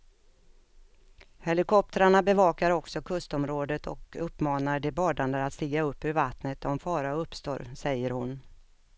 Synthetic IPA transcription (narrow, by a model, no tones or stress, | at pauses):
hɛlɪkʰɔp̚t̪əɾaɳabɛvɑːkaɾɔksɔkʰɵst̪ɔmɾoːd̪ət̪ʰɔ̰kɵpːmɑːnaɖɛbɑːɖand̪əat̪st̪iːɡaɵpːɵɾvat̪nət̪ʰɔmfɑːɾaɵpst̪o̰ːɾsɛjːəɾhʊn